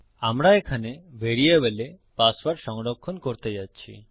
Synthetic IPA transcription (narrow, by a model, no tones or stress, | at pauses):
amɾaekʰanebʱeɾieβele | pasbaɾʃɔŋɽɔkʰːɔnkɔɾt̪ejat͡ʃʰḭ